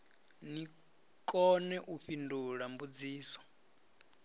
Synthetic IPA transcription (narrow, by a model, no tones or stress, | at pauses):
ni | kʼɔnɛʔuɸinduɺambud͡ziːsɔ̥